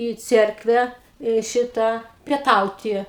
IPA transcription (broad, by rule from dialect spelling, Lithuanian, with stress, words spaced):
iː ˈt͡sʲɛrkʋʲæː iː ˈʃʲɪtɑː pʲiɛˈtɐʊtʲɪ